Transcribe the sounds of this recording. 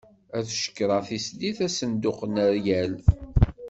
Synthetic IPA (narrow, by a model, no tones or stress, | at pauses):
æθʃə̥kːɾˤɑθisliθæsənd̪ʊqənəɾjæl